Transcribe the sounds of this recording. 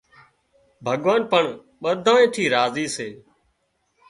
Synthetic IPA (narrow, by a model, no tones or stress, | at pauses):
bʱəɠʋaːnpəɳ | ɓəd̪ʱãːẽːʈʰiːɾaːziːseː